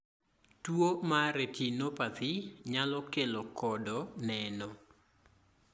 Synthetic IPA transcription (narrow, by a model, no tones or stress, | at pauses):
twomaɾetʰinopat̪ɪɲalɔkelɔkʰɔdɔnɛnɔ